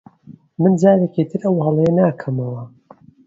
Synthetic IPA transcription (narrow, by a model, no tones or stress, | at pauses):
mɨnd͡ʒaːɾekit̪ʰɨɾʔɐwhɐlˠejɐnaːkʰɐmɐwɐ